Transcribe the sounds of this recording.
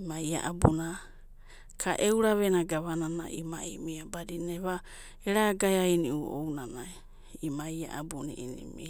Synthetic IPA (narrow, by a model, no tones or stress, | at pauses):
imaja̰ʔabuna | kʰaʔewɾaβenaɡaβanana̰ʔimaimiabadineβa | eɾaɡajajniʔuo̰wnanaj | imaja̰ʔa̰bunḭʔinḭmi